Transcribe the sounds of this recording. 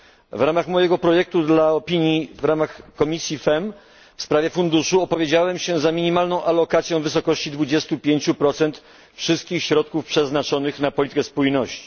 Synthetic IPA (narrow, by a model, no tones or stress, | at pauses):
vɾamaxmɔjɛɡɔpɾɔjɛk̚t̪ud̪laɔpʲiɲjivɾamaxkɔmʲisʲjifɛm | fspɾavʲjɛfund̪uʂuɔpɔvʲjed͡ʑawɛmɕɛzamʲiɲimalnɔ̃w̃ʔalɔkat̪sʲjɔ̃w̃vɘsɔkɔɕt͡ɕid̪vud͡ʑɛst̪upʲjeɲt͡ɕupɾɔt̪sɛnt̪ | fʂɘst̪̚kʲixɕɾɔt̪̚kufpʂɛznat͡ʂɔnɘxnapɔlʲit̪ɘkɛspujnɔɕt͡ɕi̥